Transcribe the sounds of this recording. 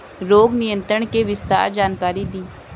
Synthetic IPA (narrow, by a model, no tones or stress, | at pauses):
ɾoːɡnɪjə̃nt̪ɾəɽ̃keʋɪst̪a̰ːɾd͡ʒaːnkaːɾid̪iː